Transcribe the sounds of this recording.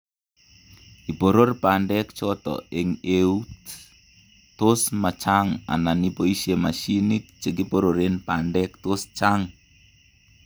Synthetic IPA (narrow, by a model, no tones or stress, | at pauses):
ipoɾorpandɛkt͡ʃɔt̪ɔ̰eŋeut | tosmat͡ʃaŋa̰nanipoisemaʃinit̪̚t͡ʃək̬ipoɾoɾenpandɛk̚tost͡ʃaŋ